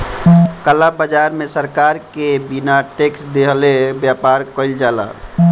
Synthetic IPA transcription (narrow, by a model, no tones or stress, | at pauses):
kəlabəd͡ʒaɾmẽsəɾkaɾkebinaʈeksd̪eɦlebjapaɾkəɪld͡ʒala̰